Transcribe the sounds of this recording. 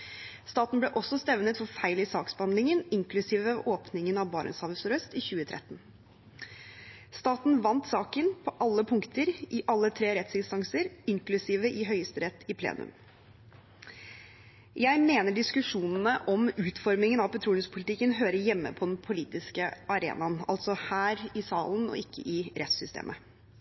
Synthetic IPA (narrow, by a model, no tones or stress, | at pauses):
st̪ɑːt̪n̩blɛːʔɔsɔst̪ɛʋnət̪fɔɾfæɪlɪsɑːksbəhɑnd̪lɪŋənɪŋkʰlʉsiːʋoːpnɪŋənɑʋbɑːɾə̰shɑːʋəsɔɾœst̪ɪçʉːət̪ʰɾʔɛ̰t̪ːn | st̪ɑːt̪n̩ʋɑnt̪sɑːkənpʰɔʔɑlːəpʰʊŋkt̪əɾʔɪʔɑlːət̪ʰɾeːɾɛt̪sɪnst̪ɑŋsəɾɪŋklʉsiːʋəʔɪɦœʏəst̪əɾɛt̪ʰːɪpʰlḛːnʉ̰m | jæɪmeːnəɖɪskʉʂuːnn̩əʔɔmʉːt̪fɔɾmɪŋənɑʋpʰɛt̪ʰɾuːlʉspʰʊlɪt̪ɪkːənɦøːɾəjɛmːə̰pʰɔd̪ɛnpʰʊliːt̪ɪskəɑɾḛːnɑnɑ̰lt̪sɔhæːɾɪsɑ̰ːlən̩ɔ̰ɪkʰːə̰ʔɪɾɛt̪sʏst̪ʰḛːmʔə